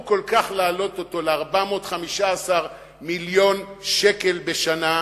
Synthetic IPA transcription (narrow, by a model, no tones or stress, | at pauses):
ko̞lkaχlaːlo̞to̞to̞leaʁbamotχamiʃaːsaʁ | miljo̞nʃeke̞lbe̞ʃana